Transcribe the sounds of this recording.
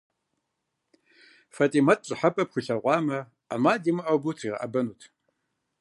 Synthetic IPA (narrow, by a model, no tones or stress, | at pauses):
fatʼiːmɐtʼɕʼɨħɐpʼɐpxʷʊɬɐʁʷɑːmɐ | amaːdimɨʔɐwbutʰiʁɐ̰ʔɐ̰bɐnuːtʰ